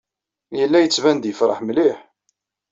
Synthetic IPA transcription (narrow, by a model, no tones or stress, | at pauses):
jəlːæjət͡sːvænd̪jəfɾˤəħmliħ